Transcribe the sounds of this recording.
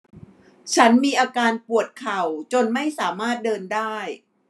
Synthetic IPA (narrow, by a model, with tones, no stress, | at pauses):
t͡ɕʰa˦˥nmiː˧ʔaː˧kaː˧npu˨˩ət̪̚kʰa˨˩wt͡ɕo˧nma˥˩jsaː˩˦maː˥˩t̪̚dɤː˧ndaː˥˩j